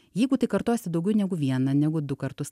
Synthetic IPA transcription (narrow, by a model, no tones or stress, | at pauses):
jɛɪɡʊt̪ɐɪkɐɾt̪oːsʲɪd̪ɐʊɡʲɛʊnʲɛɡʊʋʲiɛnɐnʲɛɡʊd̪ʊkɐɾt̪ʊs